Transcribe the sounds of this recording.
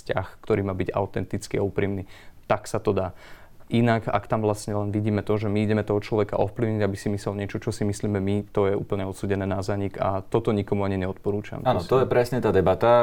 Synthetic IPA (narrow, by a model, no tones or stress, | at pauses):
scaxkt̪ɔɾiːmaːbiɟa̰ʊt̪ɛnt̪it͡skiaupɾiːmniːt̪aksat̪ɔd̪aː | ʔinaka̰kt̪amʋlasɲɛlɛnʋiɟiːmɛt̪ɔʒɛmiiɟɛmɛt̪ɔɦɔt͡ʃlɔʋɛkaʔɔfpliʊɲiɟabisimisɛlɲɪɛt͡ʃɔt͡ʃɔsimisliːmɛmit̪ɔjɛṵːpl̩ɲɛɔt̪suːɟɛnɛːnazaɲika̰t̪ɔt̪ɔɲikɔmuaɲiɲɛɔt̪̚pɔɾuːt͡ʃa̰manɔt̪ɔjɛpɾɛsɲɛt̪aːd̪ɛbat̪a